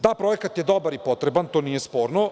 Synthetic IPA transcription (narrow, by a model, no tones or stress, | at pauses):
d̪apɾojekat̪jed̪obaɾipo̞t̪ɾebant̪oːnijespo̞ːɾno